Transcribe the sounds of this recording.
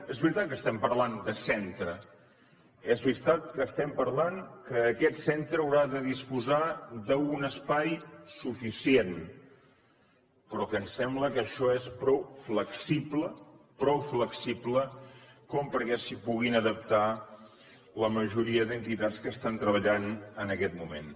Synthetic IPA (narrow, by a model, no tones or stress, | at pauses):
ezβɾit̪at̪̚kəst̪ɛmpərland̪əsɛnt̪ɾə | ɛzβiɾt̪at̪̚kəːst̪ɛmpəɾlaŋkəːkɛt̪sɛnt̪ɾəːwɾaðəðispuzad̪əunəspajsufisien | pɾɔkənsɛmbləkəʃɔespɾɔwfləksibləpɾɔwfləksibləkɔmpəɾkɛsipuɣinəðəp̚t̪a | ləməʒuɾiəðənt̪it̪att͡skəst̪ant̪ɾəβ̞əʎanənəkɛt̪mumḛn